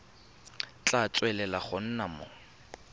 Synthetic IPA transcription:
t͡ɬat͡sʼwɛlɛlaχʊn̩namo

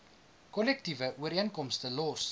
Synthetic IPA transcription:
kɔlɛk̚tivəʔuəɾiənkɔmstəlɔs

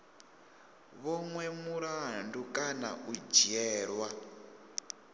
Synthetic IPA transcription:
βɔŋwɛmuɾandukʼana̰ʔud͡ʒiɛːɺwa

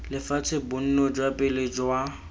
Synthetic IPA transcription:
lɪfat͡sʰɪbʊn̩nɔd͡ʒwapʼɪlɪd͡ʒwa

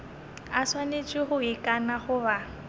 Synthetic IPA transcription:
aswanet͡ʃʼɪχʊikʼanaχʊβa

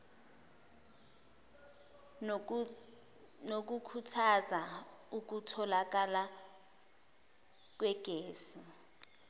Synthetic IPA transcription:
nok̬ukʰutʰaza | uk̬utʰɔlak̬ala | k̬wɛɡ̥ʱeːsi

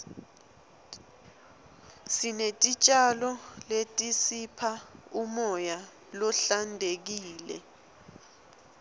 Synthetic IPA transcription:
sinetʼit͡ʃʼalɔletʼisipʰaumɔja | lɔɬandʱek̬iːlɛ̰

